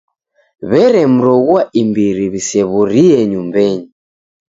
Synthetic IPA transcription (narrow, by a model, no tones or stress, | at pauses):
βɛɾɛm̩ɾɔɣwaʔimbiɾiβisɛβuɾiɛɲumbɛɲi